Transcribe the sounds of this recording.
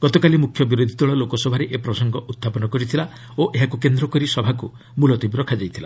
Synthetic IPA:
ɡ̥ɔt̪ɔkalimukʰjɔbiɾod̪ʱit̪ɔɭɔlokɔsɔbʱaɾeʔepɾɔsɔŋɡɔʔut̪ʰːapɔnɔkɔɾit̪ʰila | oʔeɦakukend̪ɾɔkɔɾisɔbʱaku | mulɔt̪ibɾɔkʰad͡ʒajt̪ʰila

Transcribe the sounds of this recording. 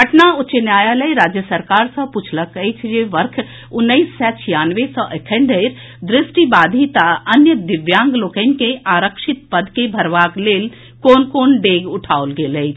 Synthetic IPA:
ɦɐʈnaʊt͡ʃənjaːjaləiɾaːd͡ʒjəsɐɾkaːɾsɐ̃put͡ʃʰlɐkəit͡ʃʰd͡ʒeʋəɾkʰ | ʊnːəissɛːt͡ʃʰijaːnʋesɔʔekʰənd̪əɪɾ | d̪ɾɪsʈibaːd̪ʱit̪aɐnjəd̪ɪʋjãːŋɡloːkən̆keʔaːɾəkʃɪt̪pəd̪kebʱɐɾʋaːkleːl | koːnkoːnɖeːɡʊʈʰaːolɡeːləi

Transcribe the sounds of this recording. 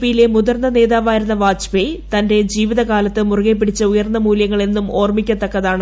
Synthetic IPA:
pijilemuðɐrnːɐne̞ːðaːʋaːjiɾunːɐʋaːd͡ʑ̥pet̪ɐnde̞d͡ʑiːʋiðɐkaːlɐt̪ːɨmurɨɣep̬ːiɽit͡ɕːɐujɐrnːɐmuːljɐŋːɐɭe̞nːumo̞ːrmikʲːɐt̪ːɐkːɐðaːɳɨ

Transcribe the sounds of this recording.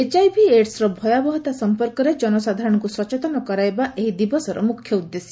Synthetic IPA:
ed͡ʒajbʱieʈsɾɔbʱɔjabɔɦɔt̪asɔmpɔɾkɔɾed͡ʒɔnɔsad̪ʱaɾɔɽ̃ɔŋkusɔt͡ʃet̪ɔnɔkɔɾaebaʔeɦid̪ibɔsɔɾɔ̰mukʰjɔud̪ːesi̥

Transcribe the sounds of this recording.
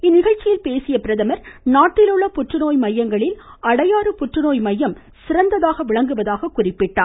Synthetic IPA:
ɪnːɪɣɐɻt͡ʃːɪjɪlpeːsɪjɐpɪɾɐðɐmɐɾnaːʈːɪlɯɭːɐpʊʈrɯnoːjmɐjːɐŋɡɐɭɪlɐɽɐjaːɾɯpʊʈrɯnoːjmɐjːɐm | sɪɾɐnd̪ɐðaːɣɐʋɪɭɐŋɡɯʋɐðaːɣɐkʊrɪpːɪʈːaː

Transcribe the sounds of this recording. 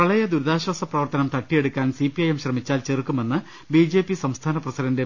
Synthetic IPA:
kɐɭɐjɐd̪uɾðaːɕwɐsɐprɐʋɐrt̪ɐnɐmt̪ɐʈːije̞ɽukʲːaːnsipːiɐjemɕrɐmit͡ɕːaːlt͡ɕerkːume̞nːɨ | biːd͡ʑe̞ːpːisɐmst̪ʰaːnɐprɐsidɐnde

